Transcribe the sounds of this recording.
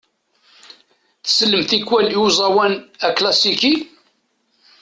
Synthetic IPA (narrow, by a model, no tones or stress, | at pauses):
θə̥səlːəmθikːwæliwzˤɑwænæklɑsiki